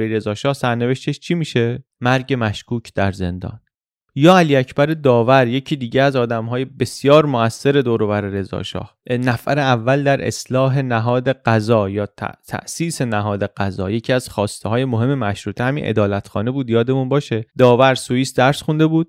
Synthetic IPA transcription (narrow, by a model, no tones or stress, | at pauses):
eɾe̞zɒːʃɒːhsæɾne̞ve̞ʃt̪eʃt͡ʃʰimiːʃe̞mæɾɟe̞mæʃkuːcʰd̪̥æɾze̞̰nd̪ɒ̰ːn | jɒːæliːæcʰb̥æɾe̞d̪ɒːvæɾje̞cʰiːd̪iːɟeæzɒːd̪æmɦɒːjebe̞sjɒːɾmoæsːe̞ɾe̞d̪oːɾovæɾeɾe̞zɒ̰ːʃɒ̰ːhnæfæɾeævːæld̪æɾʔe̞̰slɒːɦe̞næɦɒːd̪e̞ɡ̥æzɒːjɒːt̪ʰæ̰t̪ʰæ̰ʔsiːse̞næɦɒːd̪e̞ɡ̥æzɒ̰ːje̞cʰiːæz̥xɒːst̪eɦɒːje̞moɦe̞mːe̞mæʃɾuːt̪ʰehæmḭnʔḛd̪ɒːlæt̪xɒːne̞buːd̪jɒːd̪e̞munbɒːʃe̞d̪ɒːvæɾsujiːsd̪æɾsxund̪e̞buːd̪̥̚